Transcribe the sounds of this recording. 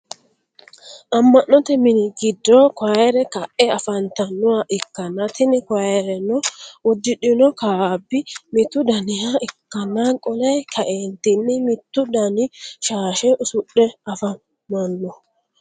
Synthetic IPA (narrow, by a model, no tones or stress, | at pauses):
ʔɐmːɐnːɔt̪ɛmɪnɪɡɪd̪ːɔkaɛɾɛkɐʔɛɐfɐnt̪ɐnːʊwaʔɪkːɐnːɐt̪ɪnɪkaɛɾɛnɔʊd̪ːɪɗɪnɔkaːbːɪmɪt̪ːʊd̪ɐnɪjaɪkːɐnːakʼɔlɛjkʰɐʔeːnt̪ɪnːɪmɪt̪ːʊd̪ɐnɪʃaːʃɛʔʊsʊɗɛɐfɐ | mɐnːɔ